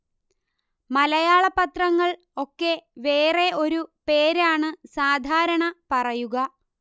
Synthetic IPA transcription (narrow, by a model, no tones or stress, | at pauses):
mɐlɐjaːɭɐpːɐt̪rɐŋːɐɭ | o̞kːe̞ʋe̞ːre̞o̞ɾupe̞ːɾaːɳɨsaːd̪ʱaːɾɐɳɐpɐrɐjuɣɐ